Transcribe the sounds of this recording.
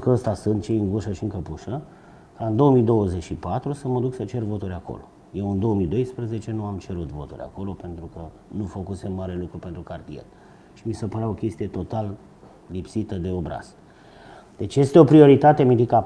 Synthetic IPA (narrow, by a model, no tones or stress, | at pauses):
kəəst̪asunt̪t͡ʃejɨŋɡuʃəʃiɨŋkəpuʃə | kaɨnd̪o̞omid̪o̞wəzet͡ʃʃipat̪ɾusəməd̪uksət͡ʃe̞rvo̞t̪uɾʲako̰lo̞̰ | je̞wɨnd̪o̞omid̪o̞jspɾəze̞t͡ʃe̞nuamt͡ʃe̞ɾut̪vo̞̰t̪ṵɾʲa̰ko̞lo̞pe̞nt̪ɾukə | nufəkuse̞mːaɾe̞lukɾupent̪ɾukart̪iḛr | ʃimisəpəɾao̞kʲe̞st̪ijet̪o̞t̪al | lipsit̪əd̪e̞o̞bɾa̰z̥ | d̪̥e̞t͡ʃje̞st̪e̞o̞pɾio̞ɾit̪at̪e̞mid̪ika